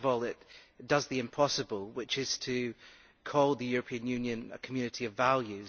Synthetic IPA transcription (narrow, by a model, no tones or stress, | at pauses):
vɔlˠɪʔ | d̥ʌzðiɪ̃mpʰɔsəbəlˠwɪt͡ʃɪz̥tʰɨ | kʰɔlˠðəjʉɹəpʰĩə̃njʉ̃njɨ̃nə̰kʰəmjʉnɨʔiəvvalˠjʉ